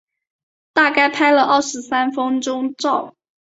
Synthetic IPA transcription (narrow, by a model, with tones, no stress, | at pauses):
t̪a˥˧ka˥˩ɪpʰa˥ɪlə˧ʔɑ˥˩ʂɻ̩˧˥sa˥nfɤ˥ŋʈ͡ʂʊ˥ŋʈ͡ʂɑ˥˩ʊ